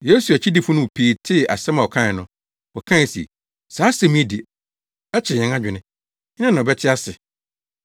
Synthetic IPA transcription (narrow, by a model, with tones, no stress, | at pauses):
je˦su˨a˨t͡ɕʰi˦di˦fʊ̃˦nʊ̃˦˨pʰiː˨˦tʰɪ˦˨a̰˨sɛ˦mã˨ɔ˨kʰã˦ɪ˨nʊ̃˦ | ɔ˨kʰã˦˨sḭ˨ | saː˨˦sɛ˨mĩ˦ɛ˦di˨ | ɛ˦t͡ɕʰɪ˨ɲɛ̃˨ŋ˦a˦d͡ʑᶣɪ˨nɪ̃˦ | ɪ˦nã˦nã˨ɔ˨bɛ˦tʰɪ˦a˦sɪ˨